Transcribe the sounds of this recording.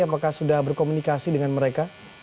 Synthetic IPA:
apakahsudahbərkomunikasidəŋanməɾeka

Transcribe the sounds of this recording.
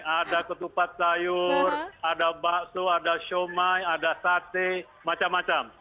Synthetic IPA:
adakət̪upat̪̚t͡ʃajuradabasoadaʃomajadasat̪e | mat͡ʃamːat͡ʃam

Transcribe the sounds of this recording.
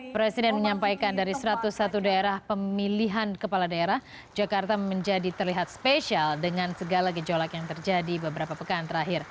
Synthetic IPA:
pɾɛsidɛnməɲampajkandaɾisəɾat̪usːat̪udaeɾahpəmiliɦankəpaladaeɾah | d͡ʒakart̪aməɲd͡ʒadit̪ərliɦat̪̚speʃialdəŋansəɡalaɡəd͡ʒolakjaŋt̪ərd͡ʒadibəbəɾapapəkant̪əɾaɦɪr

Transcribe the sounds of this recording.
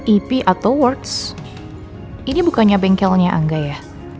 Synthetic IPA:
ipiʔat̪awwɔrt̪s | inibukaɲabɛŋkɛlɲaʔa̰ŋɡajah

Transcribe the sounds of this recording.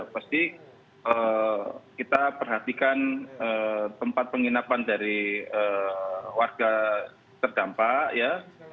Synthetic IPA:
past̪i | ə | kit̪apərɦat̪ikanət̪əmpat̪̚pəŋinapandaɾiəwarɡ̥a | t̪ərd̥ampaʔja

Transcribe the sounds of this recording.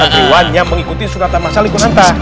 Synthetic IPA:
adiwanɲaməŋikut̪isuɾat̪anmasalikunant̪a

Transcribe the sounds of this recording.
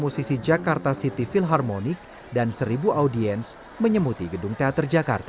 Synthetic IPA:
musisid͡ʒakart̪asit̪ifilɦarmonɪk̚ | dansəɾibuʔaudiɛns | məɲəmut̪iɡədʊŋt̪eat̪ərd͡ʒaka̰rt̪a

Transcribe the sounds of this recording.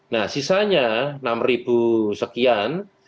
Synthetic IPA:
nahsisaɲanamribusəkian

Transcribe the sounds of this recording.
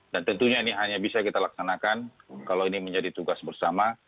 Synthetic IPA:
dant̪ənt̪uɲainiɦaɲabisakit̪alaksanakankalowiniməɲd͡ʒadit̪uɡasbərsama

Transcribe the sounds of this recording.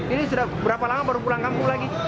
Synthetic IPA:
inisudahbəɾapalamabaɾupulaŋkampuŋlaɡi

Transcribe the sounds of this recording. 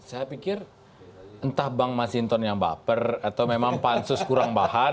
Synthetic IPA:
sajapikɪr | ənt̪ahbaŋmasint̪ɔnjaŋba̰pərat̪awmemaŋpansʊskuɾaŋbaha

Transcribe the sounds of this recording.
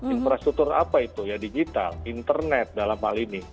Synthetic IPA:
infɾast̪ɾuk̚t̪urapait̪ujadid͡ʒit̪a̰lint̪ərnɛt̪̚dalamhalinɪh

